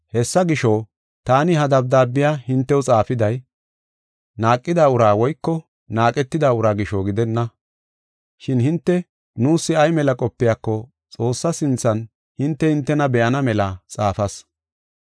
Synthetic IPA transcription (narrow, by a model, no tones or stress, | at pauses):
hɛsːɐɡɪʃɔ | t̪aːnɪɦɐd̪ɐb̚d̪aːbːɪjaːhɪnt̪ːɛwt͡sʼaːfɪd̪ɐj | naːkʼːɪd̪aːʊɾaːwɔjkːɔ | naːkʼɛt̪ːɪd̪aːʊɾaːɡɪʃoːɡɪd̪ɛnːɐ | ʃɪnhɪnt̪ːɛ | nuːsːɪɐjmɛlɐkʼɔpːɪjaːkːɔ | t͡sʼo̞ːsːɐsɪnt͡sːɐn | hɪnt̪ːɛhɪnt̪ːɛnɐbɛʔɐnɐmɛlɐt͡sʼaːfɐs